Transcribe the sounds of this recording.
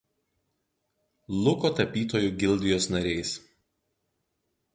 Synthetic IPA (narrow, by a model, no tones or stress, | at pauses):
lˠʊkoːt̪ɐpʲiːt̪oːjuɡʲɪlˠʲd̪ʲɪjoːsnɐɾʲɛɪs